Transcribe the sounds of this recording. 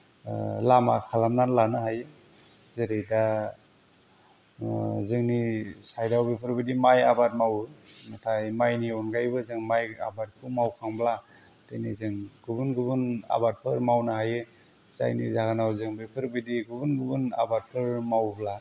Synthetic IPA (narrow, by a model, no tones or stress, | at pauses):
lama̰kʰalamnanlanaɦajɯ | zeɾejda | zɯŋnisajdawbipʰɯɾbidimajabat̚mawɯnatʰajmajniɔnɡajbɯzɯŋmaja̰bat̚kʰumawkʰaŋbla | tejnizɯŋɡ̥ubunɡubuna̰bat̚pʰɯɾmawnaɦajɯ | z̥a̰jnḭzaɡanawzɯŋbipʰɯɾbidiɡubunɡubuna̰bat̚pʰɯɾmawbla